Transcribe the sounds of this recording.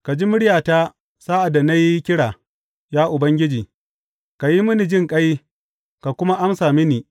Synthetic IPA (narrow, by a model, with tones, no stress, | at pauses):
ka˨d͡ʒi˦mʊ˦ɽjaː˨taː˦ | saː˦ʔa˨da˨na˦ji˦kʲɪ˦ɽaː˨ | jaː˦ʔʊ˨bɐ˦ŋɡʲɪ˦d͡ʒiː˨ | ka˨ji˦mʊ˦ni˨d͡ʒɪ˦˨ŋkʼɐ˦j | ka˨kʷʊ˦ma˦ʔa˦msaː˨mɪ˦niː˨